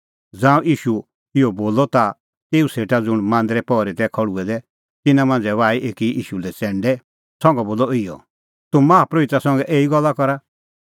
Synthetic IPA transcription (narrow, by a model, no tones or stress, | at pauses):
d͡zãːũʔiːʃu | ɪɔboːlɔt̪a | t̪eːuseːʈad͡zʊɽ̃mãːnd̪ɾɛpɔːɾit̪ɛkʰɔɽuɛd̪ɛ | t̪ɪnãmãːnd͡zɛʋaːiʔeːkiḭːʃulɛt͡sɛ̃ːɳɖɛ | sɔ̃ŋɡɛboːlɔɪjɔ̰ | t̪ʊmãːapɾɐbɪt̪ɾasɔ̃ŋɡɛʔeːiɡɔlːakɔɾa